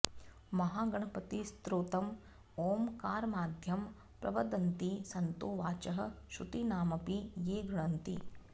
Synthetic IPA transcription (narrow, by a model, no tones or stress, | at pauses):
mɐɦaːɡɐɳ̃ɐpɐt̪ist̪ɾoːt̪ɐm | oːmkaːɾmaːd̪ʱjɐm | pɾɐ̰ʋɐd̪ɐnt̪isɐnt̪oːʋaːt͡ʃɐɦɐ̆ʃut̪inaːmɐpijeːɡɾɪɳɐnt̪ḭ